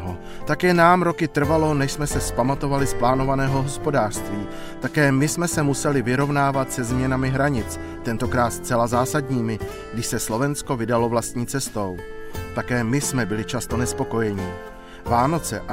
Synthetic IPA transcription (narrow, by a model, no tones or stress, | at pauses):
ɦo | t̪akjɛnaːmɾo̞kɪt̪r̩valo̞nɛʃsmɛsɛspamat̪o̞valɪsplaːno̞vanɛːɦo̞ɦo̞spo̞daːr̥st̪viː | t̪akɛːmɪsmɛsɛmusɛlɪvɪɾo̞vnaːvat̪sɛzmɲɛnamɪɦɾaɲɪt͡s | t̪ɛnt̪o̞kɾaːt̪st̪t͡sɛlazaːsadɲiːmɪ | ɡdɪʃsɛslo̞vɛnsko̞vɪdalo̞vlast̪ɲiːt͡sɛst̪o̞w | t̪akɛːmɪsmɛbɪlɪt͡ʃast̪o̞nɛspo̞ko̞jɛɲɪ | vaːno̞t͡sɛ̰ʔ